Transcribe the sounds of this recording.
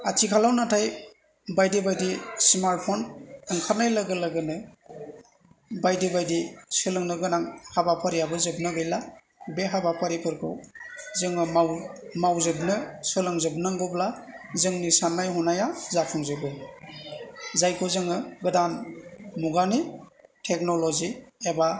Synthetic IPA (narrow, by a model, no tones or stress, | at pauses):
atʰikʰalawnatʰaj | bajdibajdismaɾt̚pʰɔnɯŋkʰanajlaɡɯlaɡɯnɯ | bajdibajdisɯlɯŋnɯɡɯnaŋhabapʰaɾijabɯzɯb̚nɯɡɯjla | beɦabapʰaɾipʰɯɾkʰɯ̰wzɯŋɯawmawzɯbnɯsɯlɯŋzɯbnaŋɡɯblazɯŋnisanːajɦɔnajazakʰɯŋzɯbɯ | zajkʰozɯŋɯɡɯdanmuɡanitʰek̚nolɔzieba